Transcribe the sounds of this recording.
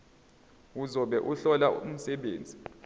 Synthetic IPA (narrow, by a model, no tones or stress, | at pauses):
uzɔɓɛʔuɬɔlaum̩sɛɓeːnd͡zʱi